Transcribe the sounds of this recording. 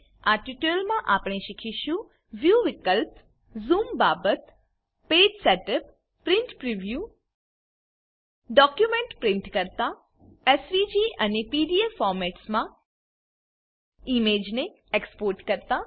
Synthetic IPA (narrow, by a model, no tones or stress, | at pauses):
aʈiʈəlmãʔapɽ̃eʃikʰiʃũ | ʋjuʋɪkəlp | zumbabət̪ | ped͡ʒseʈəpː | ɾɪɳʈpɾiʋju | ɖɔkjumeɳʈpɾɪ̃ɳʈkəɾt̪a | esʋid͡ʒiʔənepiɖiefɔɾmɛʈsmã | imed͡ʒne | ekspoːɾʈkəɾt̪a